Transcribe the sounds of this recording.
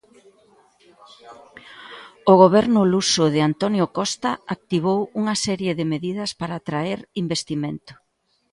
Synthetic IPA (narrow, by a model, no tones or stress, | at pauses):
ʊɣ̞oβ̞ɛɾnʊlusʊðɪant̪ɔnjokɔst̪ɐak̚t̪iβ̞owuŋɐsɛɾjeðɪmeðið̞ɐspaɾaːt̪ɾaɛɾimbest̪iment̪ʊ̥